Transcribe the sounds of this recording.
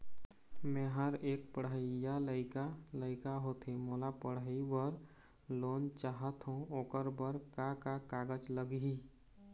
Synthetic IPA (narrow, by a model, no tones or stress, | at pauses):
mɛ̃ːɦəɾeːk̚pəɽəɪjaləɪkaləɪkaɦoːt̪ʰemoːlapəɽəiwəɾ | loːnt͡ʃaːɦət̪ɦũoːkəɾbəɾkakakaːɡəd͡ʒləɡɦi